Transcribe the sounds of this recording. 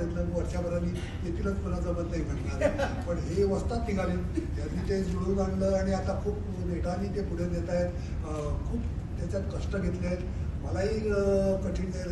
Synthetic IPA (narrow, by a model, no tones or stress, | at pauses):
et̪ləməɡʋəɾɕjabʱəɾaniː | jet̪ʰiːlət͡sfuləd͡zəbəlnaɦim̤ʰʱəʈɳaɾpəɳɦeʋəst̪at̪fiɡʱaliː | janːiːt̪ed͡zuɽuːɡʱaɳləːaɽ̃iat̪akʰuːp | neʈaniːt̪epuɽ̤ed̪et̪ajet̪ | kʰuːpt̪jat͡ɕjat̪kəʂʈəɡʱet̪lee | məlaɦiːkəʈʰiːe